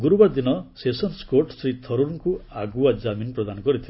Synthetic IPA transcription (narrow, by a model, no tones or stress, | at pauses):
ɡuɾubaɾd̪inɔsesɔnskoɾʈsɾit̪ʰɔɾuɾŋkuaɡuad͡ʒaminpɾɔd̪anɔkɔɾit̪ʰil